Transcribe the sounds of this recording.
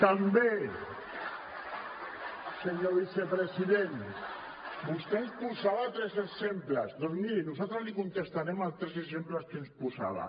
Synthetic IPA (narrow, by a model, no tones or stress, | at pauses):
t̪ambe | seɲoβisepɾesiðen | bust̪enspusaβat̪ɾeseksemplazd̪oɾmiɾinusat̪ɾozlikunt̪est̪aɾemat̪ɾeseksemplaskenspusa̰βa̰